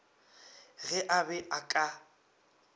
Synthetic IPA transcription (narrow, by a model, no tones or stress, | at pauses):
ɣɛʔabɛʔakʼa